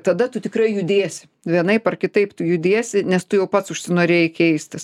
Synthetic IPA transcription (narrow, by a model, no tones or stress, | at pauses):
t̪ɐd̪ɐt̪ʊt̪ʲɪkrɐɪjʊd̪ʲeːsʲɪ | ʋʲiɛnɐɪpɐrkʲɪt̪ɐɪpt̪ʊjʊd̪ʲeːsʲɪnʲɛst̪ʊjɛʊpɐt̪sʊʃʲsʲɪnoːɾʲeːjɪkʲɛɪsʲt̪ʲɪs